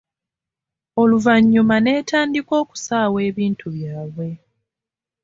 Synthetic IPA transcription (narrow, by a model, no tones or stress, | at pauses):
o̞luvaɲːumane̞ːtaːndiko̞ːku̥saːwe̞ːβiːntʰuβjaːβwe̞